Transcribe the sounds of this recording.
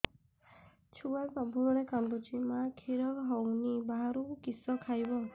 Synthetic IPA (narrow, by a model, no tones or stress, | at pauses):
t͡ʃʰuwalpabʱuɾɔɾekant̪ut͡ʃʰimakʰiɾɔkɦɔwnibaɦaɾukukisɔkʰajbɔ